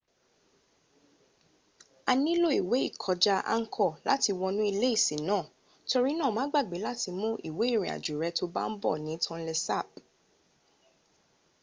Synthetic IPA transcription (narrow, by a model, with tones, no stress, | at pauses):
a˧nĩ˦lo˦˨i˨we˨˦i˦˨kʰɔ˨˧d͡ʒa˧a̰˧ŋ̩˦kʰɔ˦˨la˨˦ti˧wɔ˧nũ˦i˧le˦i˦˨sĩ˨˦nãː˦˨ | to˧ɾi˦nãː˦˨mãː˨˦ɡ͡ba˦˨ɡ͡be˨˦la˦ti˧mũ˦ʔi˦˨we˨˦i˦˨ɾ̃ĩ˨a̰˨d͡ʒu˨ɾɛ˨˧˦to˧˦ba̰˦n̩˦bɔ̰˦˨nĩ˨˦tʰɔ̃˧n̩˦lɛ˧sa˦˨p̚